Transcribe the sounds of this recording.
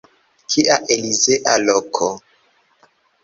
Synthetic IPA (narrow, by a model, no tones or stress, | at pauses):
kʰiʔaʔelizeʔalokʰo